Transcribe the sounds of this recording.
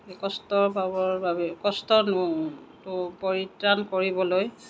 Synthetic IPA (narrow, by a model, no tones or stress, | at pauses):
kɔstɔɹbʱabɔɹbabɛkɔstɔnʊtʊpɔɹitɹankoɹibɔloj